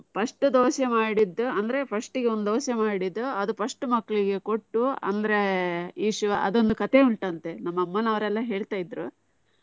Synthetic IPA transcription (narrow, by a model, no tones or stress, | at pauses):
pʰɐʂʈud̪oːsemaːɽid̪ːuɐnd̪ɐɾe̞pʰɐʂʈiɡeo̞nd̪ud̪oːsemaːɽid̪ːuɐd̪upʰɐʂʈumɐkːɐɭiɡe̞ko̞ʈːuɐ̰nd̪ɐɾe̞iːʂuʋɐʔɐ̰d̪o̞nd̪ukɐt̪e̞uɳʈɐnt̪enɐmːɐmːɐnɐʋɐɾɛlːɐɦe̞ːɭt̪aːjid̪ːɾu